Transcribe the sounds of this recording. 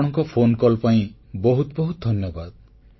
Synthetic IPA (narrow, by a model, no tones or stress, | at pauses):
ɽ̃ɔŋkɔpʰonkɔlpaĩbɔɦut̪bɔɦut̪̚d̪ʱɔnjɔbad̪̚